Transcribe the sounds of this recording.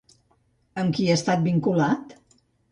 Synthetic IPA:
əmkiəst̪at̪̚biŋkulat̪

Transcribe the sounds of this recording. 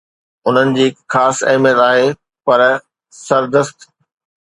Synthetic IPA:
ʊn̤ənɪ̆d͡ʑiːɪkxaːsɐ̰ɦɪmjət̪aːɦe | pɐɾ | sɐɾd̪əst̪

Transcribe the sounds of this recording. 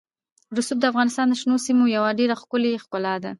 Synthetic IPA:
ɾʊsub̚d̪əafɣɑnɪst̪ɑnd̪əʃnosimojawaɖeɾaxkʊlexkʊlɑd̪a

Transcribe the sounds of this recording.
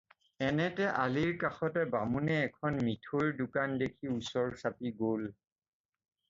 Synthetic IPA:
ɛnɛtɛʔaliɹkaxɔtɛbamunɛːkʰɔnmitʰoɹdʊkandekʰiusɔɹsapiɡol

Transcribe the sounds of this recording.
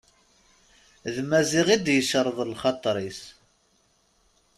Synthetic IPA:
ðmæziʁid̪jəʃəɾˤðˤlχɑt̪ˤɾˤis

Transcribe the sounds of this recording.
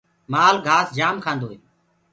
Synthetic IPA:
maːlɡʱaːsd͡ʒaːmkʰãːnd̪oːɦeː

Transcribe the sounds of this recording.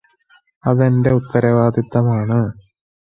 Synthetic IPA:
ɐðende̞ut̪ːɐɾɐʋaːd̪it̪ːɐmaːɳɨ

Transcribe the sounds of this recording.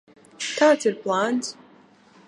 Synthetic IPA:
tʰaːtʰɨrpʰlanz

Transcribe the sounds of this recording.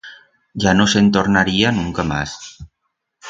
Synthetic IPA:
ʒanosent̪oɾnaɾianuŋkama̰s

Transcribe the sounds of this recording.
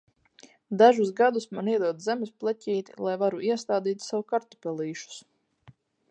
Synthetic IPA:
d̪aʒusɡad̪usmaniɛd̪uɔd̪zɛmɪsplˠɛcʲiːt̪ilˠajvaɾuʔiɛst̪aːd̪iːt̪ʲsawukaɾt̪u̥pʲɛlˠiːʃu̥s

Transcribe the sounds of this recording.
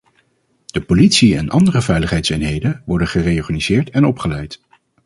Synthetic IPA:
d̥əpolitsiɛ̰nʔɑ̰ndərəvɛjləχɦɛjtsɪnɦejdənʋɔɹdənχərejɔɹχaniz̥ɪːɹtɛnɔpχəlɛjt

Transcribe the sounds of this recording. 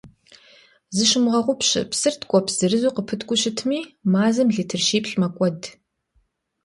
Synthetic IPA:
zɨʃɪmʁɐʁʷʊpɕɪ̰psɨrtʰkʷʼɔpʰz̥ɨrɨzuːqəpʰɨtʰkʷʼʊɕɪtʰmiːmaːzɐmɮiːtʰɨrʃiːpɬmɐkʷʼɔd

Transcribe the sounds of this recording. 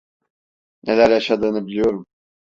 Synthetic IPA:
nʔelʲæɾjaʃad̪ɯːnɯbilʲijo̞ɾum

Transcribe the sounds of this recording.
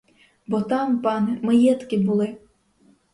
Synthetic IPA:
bɔt̪ɑmpɑnmɐjɛt̪kʲɪbulˠɪ

